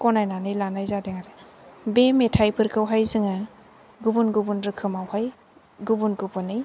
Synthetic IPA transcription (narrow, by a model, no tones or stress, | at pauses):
kɔnajnanɯjlanajzadeŋaɾebemetʰajpʰɯɾkʰɯwɦajzɯŋɯ | ɡubunɡubunɾɯkʰɯmawhaj | ɡubunɡubɯnːɯj